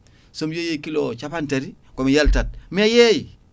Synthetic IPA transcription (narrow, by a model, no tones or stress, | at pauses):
somjojekilot͡ʃapanteɾi | komijaltɐt̚miajej